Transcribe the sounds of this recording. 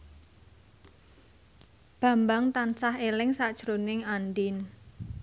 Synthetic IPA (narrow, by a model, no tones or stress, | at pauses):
b̥ä̤mbaŋt̪ansaɦelɪŋsad̥ʒ̥ɾonɪŋanɖɪn